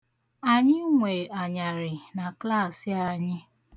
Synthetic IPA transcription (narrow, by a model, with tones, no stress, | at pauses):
a˨ɲɪ˦ŋʷe˨a˨ɲa˨ɾɪ˨na˨kla˦˨sɪ˦a˨ɲɪ˦